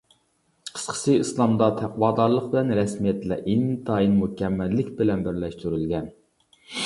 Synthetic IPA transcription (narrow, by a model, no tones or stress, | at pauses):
qʰə̥sqʰə̥sɨɨslˠɑmd̪ɑt̪ʰɛqwɑːd̪ɑɾlˠəq̚blɛnɾɛsmijɛt̪lɛʔint̪ʰɑinmukʲʰɛmːælːɪkʲbɪlɛnbɪɾlɛʃt̪yɾylɡʲɛn